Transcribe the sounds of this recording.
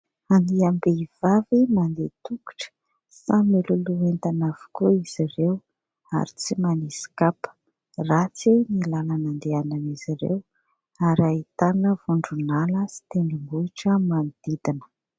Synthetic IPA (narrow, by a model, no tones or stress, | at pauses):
aniambeiv̥avimand̪et̪uku̥ʈ͡ʂə̥ | samiluluent̪anav̥u̥kuiz̥irew | a̰ɾit͡simanisi̥kapə̥ | rat͡sinilalanand̪eananiz̥iɾḛw | aɾait̪anəvuɳɖ͡ʐunaləsi̥t̪enimbuiʈ͡ʂəmand̪̥id̪inə̥